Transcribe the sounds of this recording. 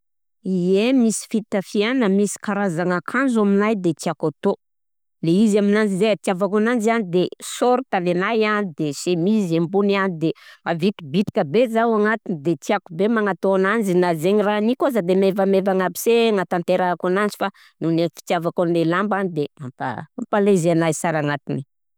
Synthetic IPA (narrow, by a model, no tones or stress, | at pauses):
iemisi̥fit̪afianəmisi̥kaɾazaŋakʰanzaminajd̪et̪iakat̪o | leizaminand͡zizeat̪javakanand͡ʒianid̪esoɾit̪alenajanid̪esemizembunanid̪emavit̪ibit̪i̥kəbezawaŋat̪inid̪et̪iakubemaŋat̪oanand͡ʒinazeɲiranikazad̪emevamevaŋapi̥seŋat̪ant̪eɾakanand͡ʒifa | nunefi̥t̪javakanlelambanid̪emampa̰ampalezanajsaɾaŋat̪ini